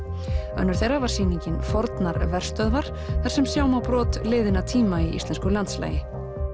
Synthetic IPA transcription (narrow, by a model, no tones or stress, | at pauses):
œ̰nːʏɾ̥θejrːavaɾ̥siːniɲcɪnfɔɾt̪naɾvɛr̥st̪œðvaɾ̥ | θaɾ̥sɛmsjaːwmawpɾɔːt̪lɪːðɪnat̪ʰiːmaiʔist̪lɛnskʏlant̪sla̰ːjɪ